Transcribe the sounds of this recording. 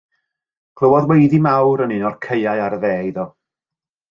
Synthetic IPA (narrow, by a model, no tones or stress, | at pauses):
kʰlˠəwɔðwejðimawɾənɪnɔrkʰeɨaɨaɾəðɛːɪðɔ